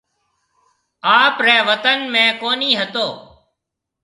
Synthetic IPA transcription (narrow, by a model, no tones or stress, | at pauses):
aːpɾɛːʋət̪ənmẽːkoːniːɦət̪oː